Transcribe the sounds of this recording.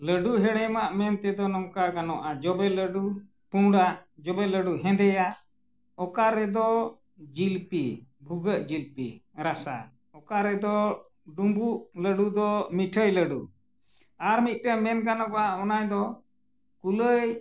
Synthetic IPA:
ləɖuɦɛɽɛjmaʔmɛnt̪ɛd̪ɔnɔŋkaɡanɔʔad͡ʒɔbɛləɖu | puɽad͡ʒɔbɛləɖuɦɛ̃d̪ɛja | ɔkaɾɛd̪ɔ | d͡ʒilpibʱuɡəʔd͡ʒilpḭɾasa̰ | ɔkaɾɛd̪ɔ | ɖumbuʔləɖud̪ɔmiʈʰəjləɖu | aɾmit̪̚ʈəmɛnk̬anɔkɔaʔɔnajd̪ɔ | kuləj

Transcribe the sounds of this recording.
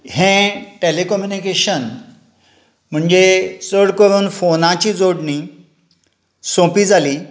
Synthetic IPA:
hẽʈelekɔmjunikeɕən | m̤əɳd͡ʑet͡səɽkəɾuːnfonãt͡ɕiːd͡zoɽɳiː | sõpiːd͡zʱaliː

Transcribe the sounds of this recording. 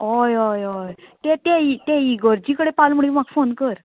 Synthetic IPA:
ɔjɔjɔjt̪ɛt̪ɛ̃it̪ɛ̃iɡəɾd͡ʑikəɽepalm̤əɽimaɡfonkəɾ

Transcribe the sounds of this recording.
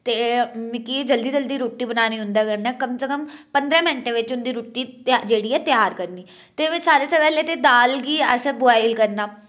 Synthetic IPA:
t̪eːmɪkiːd͡ʒəld̪iːd͡ʒəld̪iːɾuːʈːiːbənaːniːɦʊ̃nd̪aːkəɾnɛːkəmsekəmpənd̪ɾɛ̃ːmɪnʈẽːʋɪt͡ʃʊnd̪iːɾuːʈːiːad͡ʒeːɽiːɛːt̪ɪjaːɾkəɾniː | t̪eːʋẽːsaːɾeːsãpɛːleːt̪eːd̪aːlɡiːə̰sbʊaːilkəɾnaː

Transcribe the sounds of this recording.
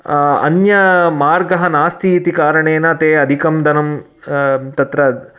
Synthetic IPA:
ɐ̰njɐmaːɾɡɐɦɐnaːst̪ʰit̪ikaːɾɐɳeːnɐːt̪eːɐd̪ʱikɐmd̪ʱɐnɐm | t̪ɐt̪ɾɐ

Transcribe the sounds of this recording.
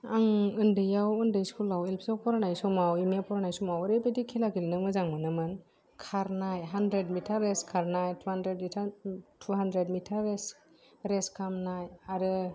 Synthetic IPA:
aŋɯndɯjawɯndɯjskulawelpʰsawpɔɾanajsɔmawimepɔɾanajsɔmawɾebedikʰilaɡilnɯmɯzaŋmɯnɯmɯn | kʰaɾnajɦandɾedmitʰaɾːeskʰaɾnajtʰuhandɾedmitʰatʰuɦandɾedmitʰaɾːes | ɾeskʰamnajaɾɯ

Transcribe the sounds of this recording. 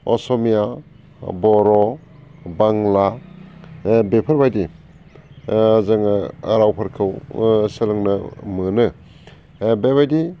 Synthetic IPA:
ɔsɔmija | bɔɾɔ | baŋla | bepʰɯɾbajdi | zaŋaːɾawpʰaɾkʰɯwsɯlɯŋnɯmɯnɯ | beβajdi

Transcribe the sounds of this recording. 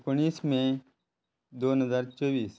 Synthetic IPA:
pəɳ̃iːsmẽː | d̪oːnəzaːɾt͡ʃoːbiːs

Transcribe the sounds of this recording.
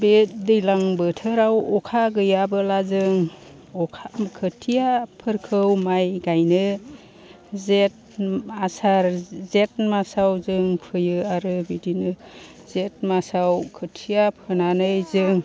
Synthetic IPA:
bet̚dɯjlaŋbɯtʰɯɾawɔkʰaɡɯjabɯlazɯŋ | ɔkʰakʰɯtʰijapʰɯɾkʰɯwmajɡajnɯ | zet̚asaɾzet̚masawzɯŋpʰɯjɯaɾɯbidinɯ | zet̚masawkʰɯtʰijapʰɯnanɯjzɯŋ

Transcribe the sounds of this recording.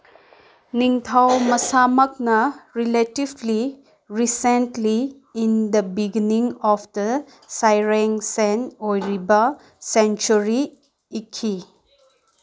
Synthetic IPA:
niŋtʰawmɐsamɐk̚nɐɾiletibli | ɾisentli | ind̪əbiɡiniŋɔfdə | sajɾeŋsenojɾiba | sent͡ʃuɾiː | kʰːi

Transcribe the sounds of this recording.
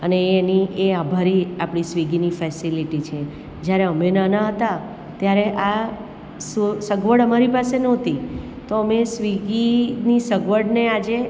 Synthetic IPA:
əneːnieabʱaɾiapɽ̃isʋiɡinifɛsiliʈit͡ʃʰe | d͡ʒjaɾeəmenanaɦət̪a | t̪jaɾeʔa | susəɡʋəɽəmaɾipasenɔɦt̪i | t̪oəmesʋiɡinisəɡʋəɽnead͡ʒe

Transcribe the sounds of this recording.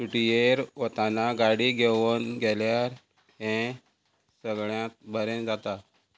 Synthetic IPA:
suʈijeɾʋət̪anaɡaɽiɡʱeʋənɡeljaɾ | ɦɛ̃ | səɡɭjãt̪̚bʱəɾẽd͡zat̪a

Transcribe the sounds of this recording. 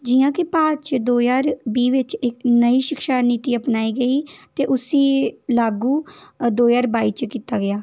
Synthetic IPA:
d͡ʒijãːkɪpãːt͡ʃd̪oːjaːɾbiːʋɪt͡ʃɪknəiːʃɪkʃaːniːt̪iːəpnaːiːɡəiːt̪eːʔʊsiːlaːɡũːd̪oːjaːɾbaːiːt͡ʃkiːt̪aːɡɪjaː

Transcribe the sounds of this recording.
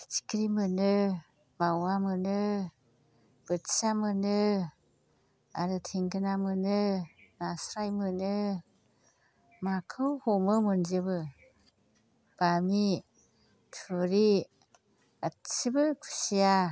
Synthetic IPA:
si̥kʰɾimɯnɯ | mawamɯnɯ | b̥ɯtamɯnɯ | a̰ɾɯtʰeŋɡɯnamɯnɯnasɾajmɯnɯ | makʰɯwhɔmɯmɯnd͡ʒɯbɯ | b̥ami | tʰuɾi | atsibɯkʰu̥sija

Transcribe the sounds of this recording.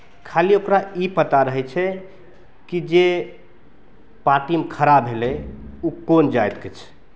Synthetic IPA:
kʰaliokɾaipət̪aɾəɦɛt͡ʃʰɛ | kid͡ʒe | paʈimekʰəɾabʱelɛukond͡ʒajt̪ket͡ʃʰ

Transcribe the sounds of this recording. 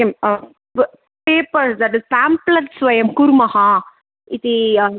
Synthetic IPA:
em | peːpɐɾsd̪æʈɪzpaːmplɐtsʋɐjɐmkuɾmɐhɐ | it̪i

